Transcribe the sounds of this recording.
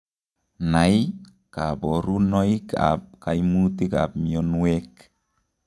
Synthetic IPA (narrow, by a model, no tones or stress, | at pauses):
naj | kabɔɾunɔika̰p̚kajmutika̰p̚mionwek